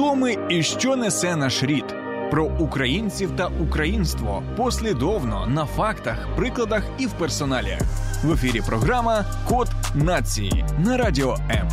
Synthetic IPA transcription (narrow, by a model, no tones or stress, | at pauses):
t̪ɔmɪiʃt͡ʃɔnɛsɛnaʃɾʲid̪ | pɾɔʔukɾɐjinʲt͡sʲiwt̪ɐʔukɾɐjinst̪ʋɔ̰pɔsʲlʲid̪ɔwnɔ̰nɐfɑkt̪ɐxpɾɪklˠɐd̪ɐxiwpɛrsɔnɑlʲɐ̰xʋefʲiɾʲipɾɔɦɾamɐ | kɔt̪nat͡sʲijḭnɐɾadʲiɔɛm